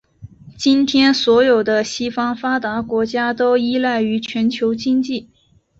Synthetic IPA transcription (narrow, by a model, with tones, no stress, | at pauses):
t͡ɕi˥nt̪ʰjɛ˥nswɔ˧˥jo˨˩ʊd̪ə˦ɕi˥fɑ˥ŋfa˥t̪a˧˥kwɔ˧˥t͡ɕja˥t̪o˥ʊi˥la˥˩ɪy˧˥t͡ɕʰɥɛ˧˥nt͡ɕʰjo˧˥ʊt͡ɕi˥ŋt͡ɕi˥˩